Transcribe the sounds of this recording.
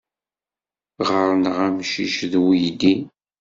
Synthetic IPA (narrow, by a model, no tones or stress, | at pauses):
ʁəɾˤnəʁæmʃiʃðwijd̪i